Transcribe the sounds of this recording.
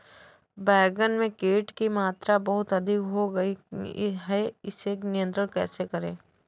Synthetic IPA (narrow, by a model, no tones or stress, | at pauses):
bɛːɡənmẽkeːʈkimaːt̪ɾabɐɦʊt̪ɐd̪ʱɪkɦoɡɐiɦɛɪsenɪjə̃nt̪ɾəɽkɛːsekɐɾḛ̃ː